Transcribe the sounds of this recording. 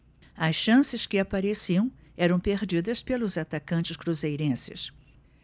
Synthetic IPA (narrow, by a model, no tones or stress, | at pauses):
ɐsʃɐ̃sɪskɪapaɾesiɐ̃w̃ɛɾɐ̃w̃peɾd͡ʒid̪ɐspelʊzat̪akɐ̃nt͡ʃɪskɾuzejɾẽsɪ̰s